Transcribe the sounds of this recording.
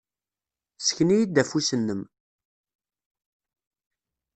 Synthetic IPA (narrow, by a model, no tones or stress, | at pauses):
sə̥çnijid̪ːæfusənːəm